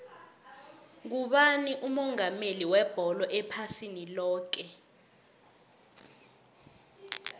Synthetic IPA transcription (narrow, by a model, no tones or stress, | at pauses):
k̬uɓaniʔumɔŋameliwɛb̥ʱɔlɔʔɛpʰasinilɔːk̬ɛ